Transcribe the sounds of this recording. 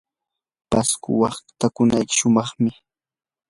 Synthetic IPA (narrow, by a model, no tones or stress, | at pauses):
paskʊ̰wɑχt̪akʊnajkɪ̥ʃʊmɑχmɪ